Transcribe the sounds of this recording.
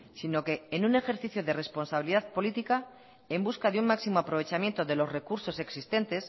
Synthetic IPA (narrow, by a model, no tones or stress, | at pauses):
sino̞ke̞ːnune̞xeɾθiθjoðe̞re̞spo̞nsaβiliðaðpo̞lit̪ika | e̞mbuskaðeuŋmaksimoapɾo̞β̞e̞t͡ʃamje̞nt̪oðe̞lo̞zre̞kuɾso̞se̞ksist̪e̞nt̪e̞s